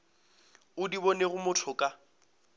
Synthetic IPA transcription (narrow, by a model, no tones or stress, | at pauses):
ʊdibɔneɣʊmʊtʰʊkʼa